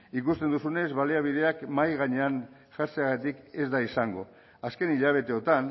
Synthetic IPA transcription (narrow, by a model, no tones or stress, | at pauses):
ikust̪end̪usune̞zβaliaβ̞ið̞e̞akmajɣaɲe̞an | ʝaɾt͡seaɣat̪ike̞zd̪aisaŋɡo̞̰ | aske̞niʎaβ̞e̞t̪e̞ot̪an